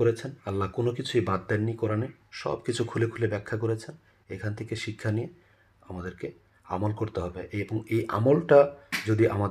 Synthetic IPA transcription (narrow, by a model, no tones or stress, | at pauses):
oɾet͡ɕʰenɐlːakonokit͡ɕʰuejbat̪̚ːɛnːikɔɾaniʃɔ̰bkit͡ɕʰukʰulekʰulebɛkʰːakoɾet͡ɕʰen | ḛkʰanet̪ʰekeʃikʰːanije | amad̪eɾke | a̰molkoɾt̪eɦɔbeʔeboŋejʔa̰molʈad͡ʑod̪iʔamad̪